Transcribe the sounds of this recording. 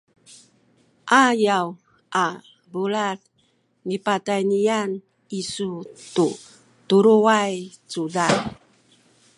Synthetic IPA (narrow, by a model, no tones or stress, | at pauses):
ʔajaw | a | bulat | nipatajnian | isutu | tuɾuwaj | t͡sudan